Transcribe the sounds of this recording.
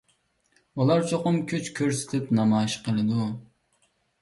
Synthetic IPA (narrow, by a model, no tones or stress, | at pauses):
ulˠɑɾt͡ʃʰoqʊmkʲʰyt͡ʃkʲʰøɾsɪ̥t̪ʰɪpnɑmɑːɪʃqʰəlˠɨd̪u